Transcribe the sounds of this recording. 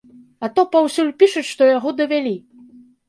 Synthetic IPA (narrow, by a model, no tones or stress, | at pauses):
ɐt̪ɔpawsʲulʲpʲiʂɐʂt̪ɔjaɣɔd̪ɐvʲalʲi